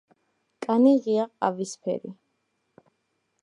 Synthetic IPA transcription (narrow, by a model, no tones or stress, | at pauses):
kʼaniʁiaqʼa̰vispʰɛ̰ɾḭ